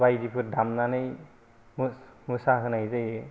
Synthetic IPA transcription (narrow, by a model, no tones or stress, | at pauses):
bajdipʰɯɾdamnanɯj | mmusaɦɯnajzɯj